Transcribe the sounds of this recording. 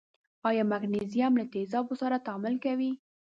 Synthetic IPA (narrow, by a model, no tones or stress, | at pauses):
ɑjɑmaɡnezijamlat̪ezɑbosaɾat̪ɑmɪlkawi